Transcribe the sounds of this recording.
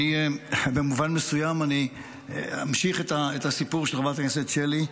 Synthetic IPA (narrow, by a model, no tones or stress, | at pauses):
ibemuvanmesujamani | ha̰mʃiχet̪aet̪asipuʁʃelʁabatakneset̪ʃeli